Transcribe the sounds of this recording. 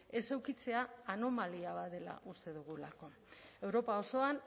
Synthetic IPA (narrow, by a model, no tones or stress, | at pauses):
e̞sewkit͡se̞aːno̞maliaβaðe̞la̰ʔust̪e̞ðuɣ̞ulako̞ | e̞wɾo̞pao̞so̞an